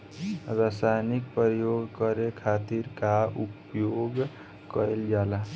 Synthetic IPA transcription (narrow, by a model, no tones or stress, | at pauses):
ɾasajnik̚pɾəjoɡkəɾekʰat̪iɾkaup | joɡ | kəeld͡ʒala